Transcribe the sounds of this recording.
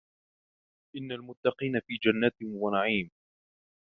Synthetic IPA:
ʔɪnːalmʊt̪ːɑqiːnafiːd͡ʒanːat̪wanaʕiːm

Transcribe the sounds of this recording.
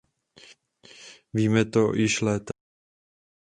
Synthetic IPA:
viːmɛt̪ojɪʃlɛːt̪

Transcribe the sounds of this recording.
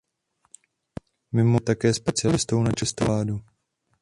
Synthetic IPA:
mɪmot̪akɛːspɛt͡sɪalɪst̪ownat͡ʃɛst̪olaːdu

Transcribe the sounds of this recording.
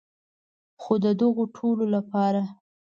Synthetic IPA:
xod̪əd̪əɣoʈʰololapɑɾa

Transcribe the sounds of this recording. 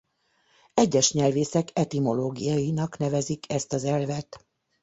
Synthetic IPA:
ɛɟːɛʃɲɛlveːsɛkɛt̪imo̞loːɡijɒjinɒknɛvɛzikʰɛst̪ɒzɛlvɛt̪

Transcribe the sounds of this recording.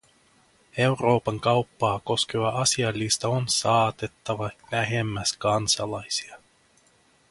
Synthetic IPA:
e̞wro̞ːpɑŋkɑwpːɑːko̞ske̞ʋɑʔɑsiɑlːist̪ɑonsɑːt̪e̞t̪ːɑʋɑlæɦe̞mːæskɑnsɑlɑjsi̥ɑ

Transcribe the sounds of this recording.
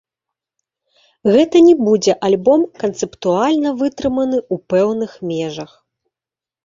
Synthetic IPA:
ɣɛt̪ɐnʲɛbud͡zʲɛʔalʲbɔmkɐnt̪sɛpt̪ualʲnɐvɨt̪ɾɨmɐnɨupɛwnɨxmʲɛʐɐx

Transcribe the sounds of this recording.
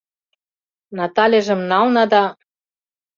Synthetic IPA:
nɑt̪ɑlʲeʒə̆mnɑlnɑd̪ɑ

